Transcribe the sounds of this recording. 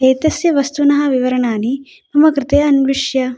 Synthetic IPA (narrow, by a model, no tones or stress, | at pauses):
eːt̪ɐsjɐʋɐst̪unɐɦɐ̆ʋiʋɐɾɐɳaːni | ɐmɐkɾɪt̪eːɐnliʂjɐ